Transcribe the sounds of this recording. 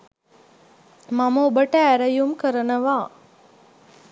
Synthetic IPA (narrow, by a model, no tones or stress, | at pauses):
maməubəʈəæɾɐjumkəɾənəʋaː